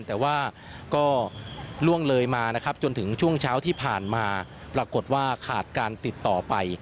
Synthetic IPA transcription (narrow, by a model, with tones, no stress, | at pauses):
nt̪ɛː˨˩waː˥˩ | kɔː˥˩lu˥˩əŋlɤː˧jmaː˧na˦˥kʰa˦˥p̚t͡ɕo˧nt̪ʰɯ˩˦ŋt͡ɕʰu˥˩əŋt͡ɕʰaː˦˥wt̪ʰiː˥˩pʰaː˨˩nmaː˧ | pɾa˧ko˨˩t̪̚waː˥˩kʰaː˨˩t̪̚kaː˧nt̪i˨˩t̪ːɔː˨˩pa˧j